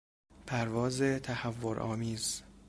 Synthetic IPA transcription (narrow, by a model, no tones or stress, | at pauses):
pʰæɾvɒːzet̪ʰæhævːoɾʔɒ̰ːmiːz